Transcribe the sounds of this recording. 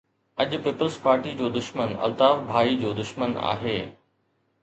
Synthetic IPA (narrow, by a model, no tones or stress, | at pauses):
ɐʄʊpiːpəlzpaːɾʈid͡ʑoːd̪ʊʃmənɐ̰lt̪aːʋbʱaːid͡ʑoːd̪ʊʃməna̰ːɦeː